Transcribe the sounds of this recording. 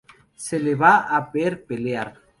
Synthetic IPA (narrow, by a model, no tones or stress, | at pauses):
seleβaapeɾpeleaɾ